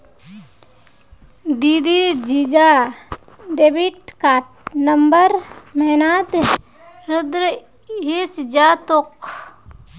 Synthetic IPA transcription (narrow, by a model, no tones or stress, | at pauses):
d̪id̪id͡ʒid͡ʒa | ɖebiʈkaːʈ̚nəmbəɾmɛɦnat̪ | ɾʊd̪ɾə | ɦet͡ʃd͡ʒat̪ok